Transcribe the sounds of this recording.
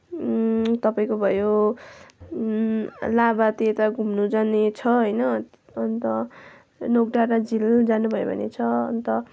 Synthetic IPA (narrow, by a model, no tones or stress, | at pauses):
t̪ʌpaĩkobʱʌjo | labat̪iet̪aɡʱumnud͡zanet͡sʰʌɦʌjnʌ | ʌnt̪ʌ | nok̚ɖaɾad͡zild͡zanubʱʌjo̰bʱʌ̰nḛt͡sʰʌʌ̰nt̪ʌ